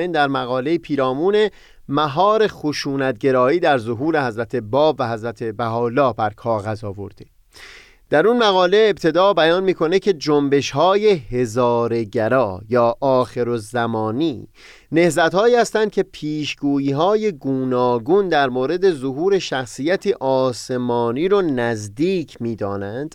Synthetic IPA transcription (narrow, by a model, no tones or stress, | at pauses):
end̪æɾmæɣɒːle̞jipʰiːɾɒːmuːne̞ | mæɦɒːɾe̞xoʃuːnæt̪̚ɟe̞ɾɒːiːd̪æɾzoɦuːɾe̞hæzɾæt̪ʰe̞bɒːbvæɦæzɾæt̪ʰe̞bæɦɒːlɒːbæɾkʰɒːɣæzɒːvo̞̰ɾd̪e | d̪̥æɾunmæɣɒːle̞ːbt̪ʰe̞d̪ɒːbæjɒːnmiːkʰo̞necʰe̞d͡ʒombe̞ʃhɒːje̞he̞zɒːɾe̞ɟæɾɒːjɒːʔɒːxe̞ɾozæmɒːniː | ne̞hzæt̪hɒːiːhæst̪ænd̪̚cʰe̞pʰiːʃɡuːiːɦɒːje̞ɡuːnɒːɡund̪æɾmoːɾe̞d̪e̞zoɦuːɾe̞ʃæxsiːjæt̪ʰiːʔɒːse̞mɒːniːɾonæzd̪iːcʰmiːd̪ɒːnænd̪̥